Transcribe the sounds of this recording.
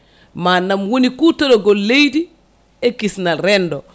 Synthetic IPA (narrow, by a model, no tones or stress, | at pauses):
manːamwonikutoloɡolejdi | ekisnaɾɛndo